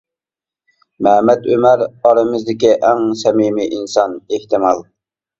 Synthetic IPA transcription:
mɛmɛt̪ømæɾɑɾɨmɨzd̪ɪkʲiʔæŋsɛmimiʔinsɑneht̪ɪmɑlˠ

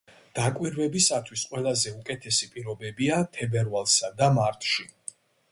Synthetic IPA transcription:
d̪̥akʼwiɾvɛbisat̪ʰwisqʼwɛlˠazɛukʼɛt̪ʰɛsipʼiɾɔbɛbiat̪ʰɛbɛɾvalˠsad̪amaɾt̪ʰʃi

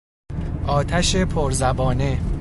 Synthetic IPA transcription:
ʔɒːt̪ʰæʃe̞pʰoɾzæbɒːne̞

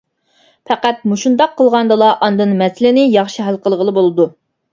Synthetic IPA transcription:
pʰɛqæt̪̚muʃund̪ɑqʰːəlˠʁɑnd̪ɨlˠɑʔɑnd̪ɨnmɛsɪlɪnɪjɑχʃiɦælˠqəlˠəʁəlˠɨbolˠɨd̪u

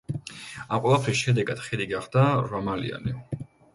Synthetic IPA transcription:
amqʼwɛlˠapʰɾisʃɛd̪ɛɡad̪̥χɛd̪iɡaχd̪aɾɔmalḭa̰ni

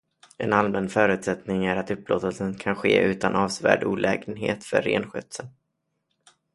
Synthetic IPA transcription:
ɛ̰nalmɛnfœːɾʉ̟t̪sɛt̪nɪŋæɾat̪ɵpːloːt̪əlsənkʰanɧeːʔʉ̟ːt̪anʔɑːvsvæ̰ːɖuːlʔɛːɡənɦḛːt̪fœɾːḛːnɧœt̪sən

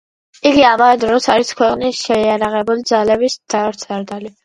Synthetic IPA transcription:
iɡiamavɛd̪ɾɔsaɾiskʰwɛqʼnisʃɛiaɾaʁɛbulid̪zalɛbisd̪̥aɾt̪sʰaɾd̪ali

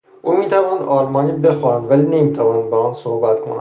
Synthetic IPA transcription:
ʔuːmiːt̪ʰævɒːnæd̪ʔɒːlmɒːniːbe̞xoɾænd̪væliːne̞miːt̪ʰævɒːnænd̪̚beɒːnsohbæt̪kʰonæ̰

